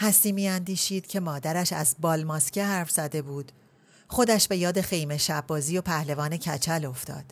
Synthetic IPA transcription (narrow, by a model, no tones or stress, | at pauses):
hæst̪iːmiːænd̪iːʃiːd̪̥cʰe̞mɒːd̪æɾæʃæ̰zbɒːlmɒskcʰeɦæɾfz̥æd̪e̞buːd̪̥ | χo̞d̪æʃbe̞jɒːd̪e̞xe̞jme̞ʃæbːɒːziːjo̞pʰæhle̞vɒːne̞cʰæt͡ʃʰælo̞ft̪ɒ̰ːd̪̥